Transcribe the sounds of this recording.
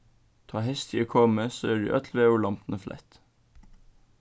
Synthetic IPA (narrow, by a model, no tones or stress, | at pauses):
t̪ʰɑːhɛst̪ʰḭoːkʰɔməso̰ːæːɖʉ̰ːʔœt̪ʰl̩ʋeːʊːɭɑmpn̩əflʔæ̰t̪